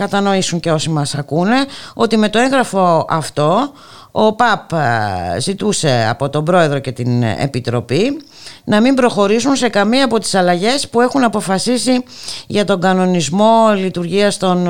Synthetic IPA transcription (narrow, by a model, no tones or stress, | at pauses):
kɐt̪ɐno̞isuɲceosimɐsɐkune̞o̞t̪ime̞t̪o̞e̞ŋɣɾɐfo̞ɐft̪o̞ | opɐp | zit̪use̞ɐ̰po̞t̪o̞mbɾo̞e̞ðɾo̞ce̞t̪inḛpit̪ɾo̞pi | nɐmimbɾo̞xo̞ɾisunse̞kɐmiɐːpo̞t̪i̥sɐlɐʝe̞spue̞xunɐpo̞fɐsisiʝɐt̪o̞ŋɡɐno̞nizmo̞lit̪uɾʝiɐst̪o̞n